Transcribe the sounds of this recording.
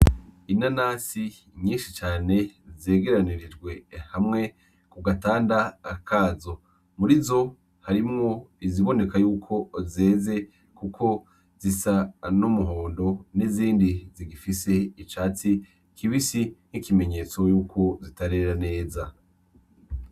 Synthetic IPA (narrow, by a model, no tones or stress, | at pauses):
inanasi | ɲiːnʃit͡ʃaːne̞ze̞ːɡe̞ɾaniɾid͡ʒɡwe̞hamŋe̞ | kuɡataːndaːkʰaːzo̞ | muɾizo̞ | haɾimŋo̞iziβo̞ne̞kajuːkʰo̞ze̞ːze̞ | kukʰo̞ | zisanumuɦo̞ːndo̞niziːndiziɡifise̞it͡ʃaːt͡si | kiβisin̥hikime̞ɲe̞ːt͡so̞juːkʰo̞zitaɾe̞ɾane̞ːza